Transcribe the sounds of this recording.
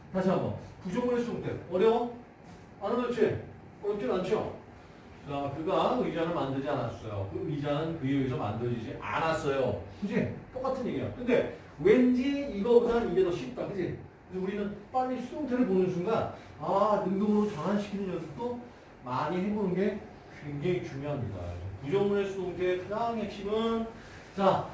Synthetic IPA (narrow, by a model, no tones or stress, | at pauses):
taɕʰaɡʌ̰pud͡ʑʌŋɯesʰudoŋtʰeʌɾeo | anɯmʌt͡ɕʰe | ʌt͡ɕʰinant͡ɕʰio̰ | t͡ɕakɯɡaɯid͡ʑaŋɯɭmandɯɭd͡ʑianas͈ʌjo̰kɯɯid͡ʑaŋɯnkɯeeesʰʌma̰ndɯd͡ʑid͡ʑiʔa̰nas͈ʌjokɯd͡ʑʰet͈ok͈atʰɯnjeɡiejo̰kɯnde̞ | we̞nd͡ʑiiɡʌɡaniɡedʌɕʰip̚t͈akɯd͡ʑi | ɯsʰʌuɾinɯnp͈aʎːisʰudoŋtʰɯɾɯɭponɯnsʰuŋɡa | anɯŋdʌbɯɾot͡ɕʌnɦanɕʰi̥kʰinɯɲʌsʰot͈o | maɲihebonɯnɡe̞ | kweŋd͡ʑeŋit͡ɕuŋjoɦamɲida̰kud͡ʑʌmunesʰudoŋtʰesʰaɾaŋɦe̞k̚ɕ͈imʌn | t͡ɕa